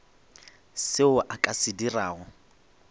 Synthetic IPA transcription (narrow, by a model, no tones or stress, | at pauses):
sɪʊʔakʼasɪdiraːɦɔ